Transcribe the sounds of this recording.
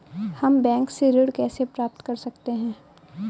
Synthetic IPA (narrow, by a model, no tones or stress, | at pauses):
hɐmbɛ̃ːŋkseɾɪɽkɛːsepɾaːp̚t̪kɐɾsɐkt̪eɦɛ̃ː